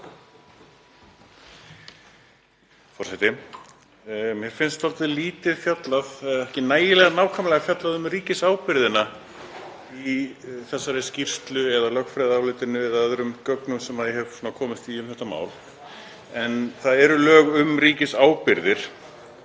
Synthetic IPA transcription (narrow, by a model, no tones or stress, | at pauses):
fɔrsɛt̪ɪ | mjɛɾ̥fɪnst̪alt̪ɪliːt̪ɪðfjat̪laðɛðɛhcɪnaːjɪlɛːɣanaːwkʰamlɛɣafjat̪laðʏmriːcɪsaːwpɪɾðɪna | iθɛsːaɾɛscir̥st̪lʏɛðalœkfɾɛːðaaːwlɪːt̪ɪnʏɪðaðɾʏmcœknʏmsɛmaðɪɦɛv̥suːnakʰɔːmɪst̪viːʏmθɛht̪ːama̰ːwl | ɛnθaðɛɾʏlœːɣʏmɾiːcɪsaːwpɪɾðɪɾ̥